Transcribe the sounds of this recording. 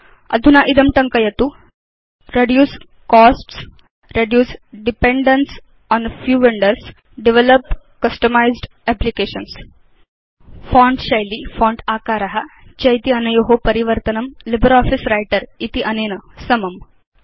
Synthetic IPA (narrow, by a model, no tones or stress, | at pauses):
ɐ̰d̪ʱunaʔid̪ɐmʈɐŋkɐjɐt̪u | ɾeɖjuːs | kɔsʈs | ɾeɖjuːsɖipeɳɖəns | ɔnfjuːʋeɳɖəɾs | ɖiʋeləpkɐsʈəmajzɖ | ɛplikeːɕəns | fɔ̃ːɳɖɕɐjlifɔːɳɖaːkaɾɐɦa | t͡ɕɐjt̪iɐnɐjoɦopɐɾiʋəɾt̪ɐnɐmlibəɾɔːfisɾajʈəɾit̪iʔɐneːnəsɐmɐm